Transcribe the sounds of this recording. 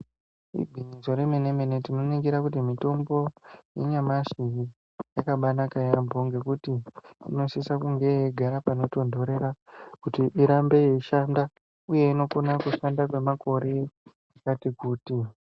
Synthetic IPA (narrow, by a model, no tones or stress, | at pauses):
ḭbʱiɲizo̞ɾemene̞mene̞tino̞nikiɾakutimito̞mbo̞jeɲamaʃiri | jakaɓanakajambo̞ŋɡe̞kutiḭno̞sisakuŋɡe̞jeɡʱaɾapano̞to̞ndʱo̞ɾe̞ɾakutiʔiɾambe̞jeiʃanda | uje̞ino̞konakuʃandak̬we̞makʰo̞ɾe̞ | akatikuːti